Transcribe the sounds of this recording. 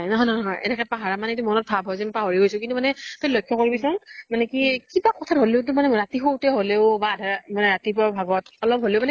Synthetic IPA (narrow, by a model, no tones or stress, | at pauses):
jnɔɦɔjnɔɦɔnɦɔjɛ̰nɛkɛpaɦaɹamanɛetumɔnɔt̚pʰabʱɦɔjzɛmpaɦɔɹiɡojsʊkintumanɛtolojkʰːjɔkoɹibisɔŋmanɛkikibakɔtʰatɦoleʊt̬ʊmanɛɹatixowtɛɦoleʊbaːdʱamanɛɹatipɔabʱaɡɔtɔlɔp̚ɦoleʊmanɛ